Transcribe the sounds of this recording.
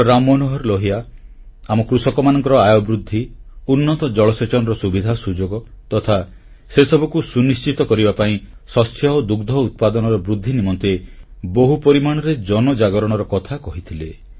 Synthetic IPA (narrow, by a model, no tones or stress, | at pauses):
ɾamɔnɔɦɔɾlɔɦia | amɔkɾusɔkɔmanɔŋkɔɾɔajɔbɾud̪ʱːiunːɔt̪ɔd͡ʒɔɭɔset͡ʃɔnɔɾɔsubid̪ʱasud͡ʒoɡɔt̪ɔt̪ʰa | sesɔbʱɔkusunist͡ʃit̪ɔkɔɾibapaĩ | sɔst̪ʰjɔod̪uɡd̪ʱɔut̪̚pad̪ɔnɔɾɔbɾud̪ʱːinimɔnt̪eboɦupɔɾimaɽ̃ɔɾed͡ʒɔnɔd͡ʒaɡɔɾɔɽ̃ɔɾɔkɔt̪ʰakɔɦit̪ʰile